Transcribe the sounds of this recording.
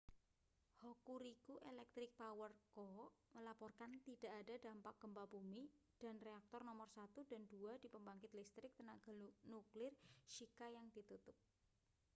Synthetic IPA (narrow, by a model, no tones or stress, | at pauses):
hɔkuɾikuʔelɛk̚t̪ɾɪk̚pawərkɔməlapɔrkant̪id̥a̤ʔadada̤mpak̚ɡ̥ə̤mpabumi | d̥a̤nreak̚t̪ɔrnɔmɔrsat̪ud̥a̤nd̥uad̥i̤pəmbaŋkɪt̪list̪ɾɪk̚t̪ənaɡ̥a̤nuklɪrʃikajaŋd̥i̤t̪ut̪ʊp̚